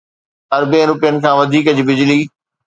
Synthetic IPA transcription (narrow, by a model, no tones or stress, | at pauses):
ɐɾbẽɾʊpijənɪ̆kʰãːʋɐd̪ʱiːkɐd͡ʑbɪd͡ʑliː